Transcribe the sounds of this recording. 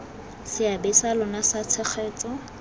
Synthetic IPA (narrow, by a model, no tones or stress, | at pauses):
sɪabɪsalɔnasat͡sʰɛk͡xʰɛːt͡sʼɔ